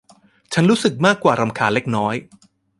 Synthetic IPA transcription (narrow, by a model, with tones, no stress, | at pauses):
t͡ɕʰa˦˥nɾuː˦˥sɯ˨˩k̚maː˥˩kːwaː˨˩ɾa˧mkʰaː˧˩nle˦˥k̚nɔː˦˥j